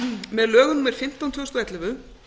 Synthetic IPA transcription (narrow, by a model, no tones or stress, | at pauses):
mɛðlœːɣʏnumɛɾ̥fɪm̥t̪aw̪t̪ʰʏɣʏst̪ɔɛjt̪lɪvʏ